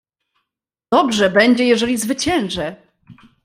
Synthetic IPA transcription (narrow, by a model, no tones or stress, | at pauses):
d̪̥ɔbʐɛbɛɲd͡ʑɛjɛʐɛlʲizvɘt͡ɕɛ̃ñʐɛ